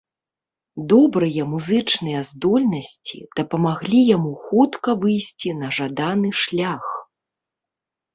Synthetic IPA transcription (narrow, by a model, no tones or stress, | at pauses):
d̪ɔbɾɨjɐmuzɨt͡ʂnɨjɐzd̪ɔlʲnɐsʲt͡sʲḭd̪̥ɐpɐmaɣlʲijamuxut̪kɐvɨjsʲt͡sʲinɐʐad̪anɨʂlʲax